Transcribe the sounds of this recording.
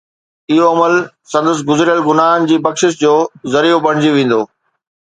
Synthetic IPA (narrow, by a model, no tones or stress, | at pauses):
ɪɦoɐməl | sɐ̃nd̪əs̬ɪɡʊzɾijəlɡʊnaːn̆d͡ʑiːbɐkʃɪʃd͡ʑoːzɐɾijopɐɽ̤̃d͡ʑiʋẽːn̆d̪oː